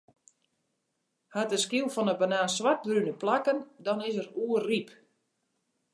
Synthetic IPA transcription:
hatəskilˠfɔnəbanaːsʋat̚rynəplakəndɔnɪs̬əɾuərrip

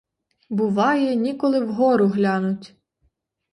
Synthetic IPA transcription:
bʊʋɑjɛnʲikɔlˠɪwɦɔɾʊɦlʲɑnʊtʲ

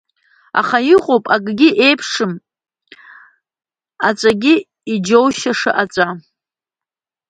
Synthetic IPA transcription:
a̰χaiqʼopʼaɡɡʲɪʔejpʰʂɨm | at͡sʷʼaɡʲɪ | id͡ʒowʃaʂɨ̰ʔat͡sʷʼa

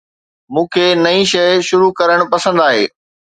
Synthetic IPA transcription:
mũːkʰenɐĩʃɐʃʊɾukɐɾəɽ̃pɐsə̃nd̪aːɦḛː

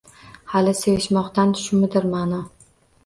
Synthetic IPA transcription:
halɪsejɪʃmɒqt̪ant̪ʰʊ̥ʃɪmɪd̪ɪɾmanɒ

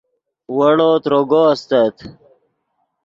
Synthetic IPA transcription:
wɐɽoːt̪ɾoɡoɐst̪ət̪

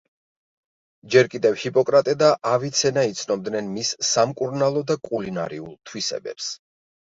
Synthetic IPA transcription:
d͡ʒɛɾkʼid̪ɛvhipʼɔkʼɾat̪ʼɛd̪aʔavit̪sʰɛnait̪sʰnɔb̚d̪nɛnmisːamkʼuɾnalˠɔd̪akʼulina̰ɾḭṵlˠt̪ʰwisɛ̰bɛ̰ps

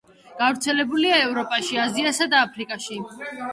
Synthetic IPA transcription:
ɡ̥avɾt̪sʰɛlɛbuliaɛvɾɔpʼaʃiaziasad̪aːpʰɾikʼaʃi

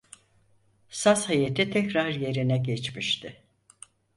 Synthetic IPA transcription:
sashajet̪ʰit̪ʰɛcɾaɾje̞ɾinɛɟɛt͡ʃmiʃt̪ʰɪ

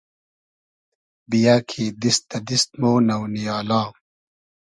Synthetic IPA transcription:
bijaːkʰiːd̪ist̪ːɐd̪ist̪̚moːnɐwnijaːlãː

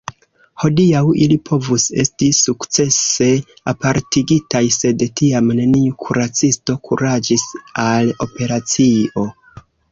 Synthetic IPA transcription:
ho̞diawilipʰo̞vuse̞̰stisukt͡se̞se̞ | apaɾtiɡitajse̞dtiamne̞niukʰuɾat͡sisto̞kʰṵɾad͡ʒisalo̞pe̞ɾat͡sio̞

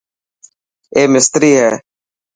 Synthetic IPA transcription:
eːmɪst̪ɾiːɦɛː

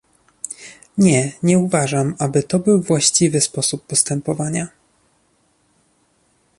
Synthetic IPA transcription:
ɲɛɲɛuvaʐamabɘt̪ɔbɘwvwaɕt͡ɕivɘspɔsupːɔst̪ɛmpɔvaɲa

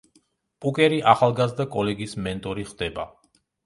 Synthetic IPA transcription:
pʼukʼɛɾiʔaχalˠɡazd̪akʼɔlɛɡismɛnt̪ʼɔɾiχd̪ɛba

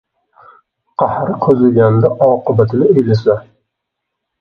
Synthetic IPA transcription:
qʰɑhɾɪqʰɵzɪlɡʲand̪aʔɒqɨbat̪ʰɪnɪejlɪsa

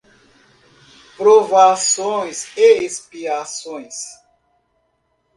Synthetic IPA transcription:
pɾovasojseispiɾasojs

